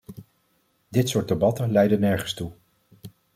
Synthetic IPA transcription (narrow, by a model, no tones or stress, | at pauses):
dɪtsʊːɹ̚debɑtənlɛjdənɛɹχənstu